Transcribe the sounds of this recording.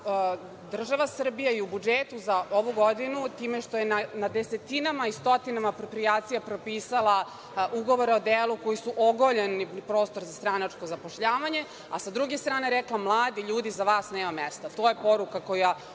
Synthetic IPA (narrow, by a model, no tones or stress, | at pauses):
d̪r̩ʒaʋasr̩bijaiubud͡ʒeːt̪uzaʔoʋuɡod̪inut̪iːmeʃt̪o̞jenanad̪ese̞t̪inamaist̪o̞t̪inamaːpɾo̞pɾijaːt̪sijapɾo̞piːsalˠa | ʔuɡo̞ʋoɾeo̞d̪eːluko̞jisuʔoɡoʎenipɾoːst̪o̞ɾzast̪ɾanat͡ʂko̞zapoʃʎaːʋaɲe̞ | a̰sad̪ɾuɡest̪ɾaːne̞ɾɛklamlˠaːd̪iʎuːd̪izaʋaːsneːmamest̪at̪o̞ːjepo̞ɾukako̞ja